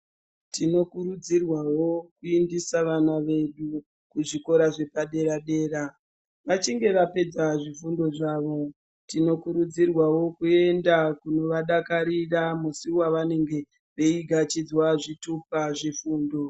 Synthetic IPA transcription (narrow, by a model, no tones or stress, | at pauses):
tino̞kuɾud͡zirwawo̞kuindisaʋanaʋe̞ɗu | kuʐiko̞ɾaʐe̞paɗe̞ɾaɗe̞ːɾa | ʋat͡ʃiŋɡe̞ʋape̞d͡zaʐifundo̞ʐaːʋo̞ | tino̞kuɾud͡zirwawo̞kue̞ndakuno̞ʋaɗakaɾiramusiwaʋane̞ŋɡe̞ | ʋeiɡʱat͡ʃid͡zwaʐitupaʐifuːndo̞